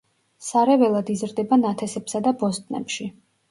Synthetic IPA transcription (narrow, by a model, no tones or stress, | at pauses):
saɾɛvɛlˠad̪izɾd̪ɛbanat̪ʰɛsɛpsad̪abɔst̪ʼnɛ̰pʃi